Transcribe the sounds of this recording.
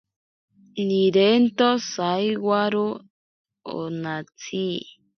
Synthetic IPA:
nĩɾent̪osajwaɾu | o̰nãt͡si

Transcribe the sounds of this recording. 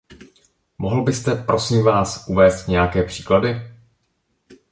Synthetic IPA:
moɦl̩bɪst̪ɛpɾo̞siːmvaːsʔuvɛːst̪ɲɛjakɛːpr̝̥i̥ːkladɪ

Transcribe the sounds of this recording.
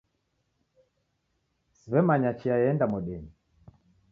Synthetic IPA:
siβɛmaɲat͡ʃiajɛndamɔɗɛni

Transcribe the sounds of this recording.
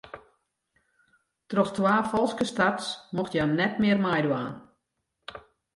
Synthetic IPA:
trɔxtʋaːfɔlˠskəstatsmoxtjanɛtmɪərmajduaːn

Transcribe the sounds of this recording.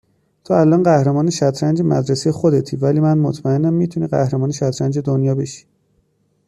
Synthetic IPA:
t̪ʰoælʔɒːnɢæhɾemɒːne̞ʃæt̪ʰɾænd͡ʒemæ̰d̪ɾesejexod̪e̞t̪ʰiːvæliːmænmot̪ʰmæenːæmːiːt̪ʰuniːɢæ̰hɾemɒːneʃæt̪ʰɾænd͡ʒe̞d̪onjɒːbe̞ʃi̥

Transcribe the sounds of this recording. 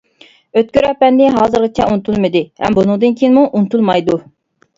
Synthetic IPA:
øt̪̚kʲyɾɛpɛnːɪɦɑːzɨɾʁɨt͡ʃʰɛunt̪ʰulˠmɨd̪ɪhɛ̰mbunɨŋd̪ɨnkʲʰiinɪmuʔunt̪ʰulˠmɑjd̪u

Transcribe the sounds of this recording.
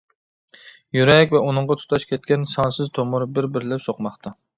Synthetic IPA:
jyɾɛkʲvɛunɨɴʁɑt̪ʰu̥t̪ʰɑʃkʲʰɛt̪̚kʲɛnsɑnsɨzt̪ʰomʊɾbɪɾbɪɾlɪpsoqmɑχt̪ʰɑ

